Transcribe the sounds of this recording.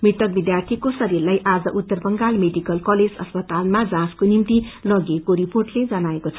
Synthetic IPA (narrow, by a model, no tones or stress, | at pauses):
mit̪ʌk̚bid̪jart̪ʰikosʌɾirlajʔad͡zʌʔut̪ːʌrbʌŋɡalmeɖikʌlkʌled͡zʌ̰spʌt̪almad͡zãskonimt̪ilʌɡekoɾiporʈled͡zʌnaekot͡sʰʌ